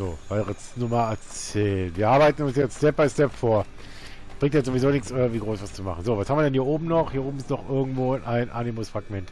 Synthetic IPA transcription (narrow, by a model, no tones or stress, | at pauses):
zoːv̥aɪʁəsnʊmɐɛɐt͡sɛːlənviːɐʔaɐbaɪtn̩ʊnsjɛt͡ststɛp̚b̥aɪstɛpfoːɐ | b̥ʁɪŋtjɛzovizoːnɪksʔɪɡv̥iːɡʁoːsvast͡suma̰χn̩zoːvashamviɐdɛnhiːɐʔoːbm̩nɔχhiːɐoːbm̩ɪstnɔχʔɪɐɡŋ̩tv̥oːɪnʔaɪnʔaːnimʊŋsfʁ̥aɡmɛnt